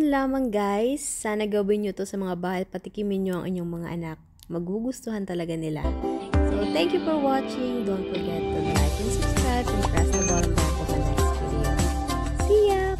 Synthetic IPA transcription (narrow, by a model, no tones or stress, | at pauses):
nlaːmɐŋɡajsːaːnɐɡɐwɪnɲot̪o̞sɐmɐŋabaːhɐjpɐt̪ɪkɪmɪnɲoʔɐ̰ŋʔɪ̰ɲːo̞ŋmɐŋa̰ʔɐnak̚ | mɐɡuɡʊst̪ʊhant̪ɐlɐɡanɪla̰sot̪ɛŋkjufɔɹwat͡ʃɪŋd̪ont̪̚fɔɾɡɛt̪̚pʊnla̰jk̪ɪnsʊb̥skɹajpɛnkɹa̰smɐd̪oɾɐnd̪at̪osɐnɛskɛdɪ | sija